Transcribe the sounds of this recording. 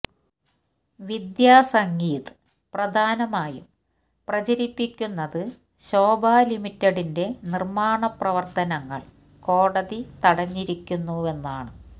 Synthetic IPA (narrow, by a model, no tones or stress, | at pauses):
ʋid̪jaːsɐŋɡiːt̪ɨ̥ | prɐd̪ʱaːnɐmaːjṵm | prɐt͡ɕɐɾipːikʲːunːɐðɨ | ɕo̞ːbʱaːlimitːɐɽinde̞nirmaːɳɐprɐʋɐrt̪ɐnɐŋːɐ̰ɭ | ko̞ːɽɐðit̪ɐɽɐɲːiɾikʲːunːue̞nːaːɳɨ